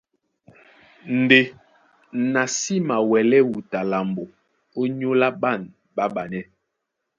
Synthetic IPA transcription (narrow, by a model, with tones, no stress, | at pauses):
n̩˨de˨ | na˨si˦ma˨wɛ˨lɛ˦wu˨ta˨la˨mbo˨ | o˦ɲo˦la˦ɓa˦˨n | ɓa˦ɓa˨nɛ˦